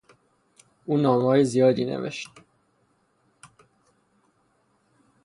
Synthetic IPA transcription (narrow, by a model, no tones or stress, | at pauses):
ʔuːnɒːmɒːjezijɒːd̪iːnḛvḛʃt̪